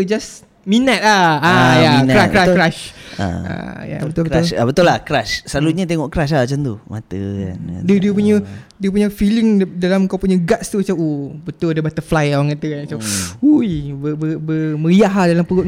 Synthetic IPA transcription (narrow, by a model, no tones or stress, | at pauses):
d͡ʒas | mĩnat̪̚aajainɾakɾaʃkɾaʃa̰ʔa̰ja̰bət̪ʊlbəlabət̪ʊlakɾaʃsəlaluɲat̪̬eŋɔʔkɾaʃ̬ahmat͡ʃant̪uma̰t̪əa̰n̰diədiəpuɲədiəp̬uɲafiliŋdalamkawpuɲaɡaʔst̪umat͡ʃawʔobət̪ʊladabat̪əflajwaŋkat̪əkanat͡ʃaujbəbəbəmə̃ɾiaɦadalampəɾʊt̪̚